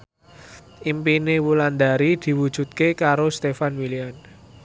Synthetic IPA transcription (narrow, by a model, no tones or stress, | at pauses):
ʔimpinewuland̪a̤ɾid̪̥i̤wud̥ʒ̥ṳt̪̚kekaɾost̪efanwilian